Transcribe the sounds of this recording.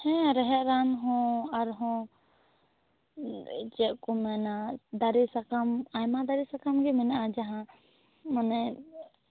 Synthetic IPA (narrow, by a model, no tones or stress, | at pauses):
hɛ̃ɾɛɦɛʔɾanɦɔ̃aɾɦɔ̃ | t͡ʃɛʔ̚kɔmɛnad̪aɾisakamajmad̪aɾisakamɡɛmɛnaʔad͡ʒaɦã | manɛ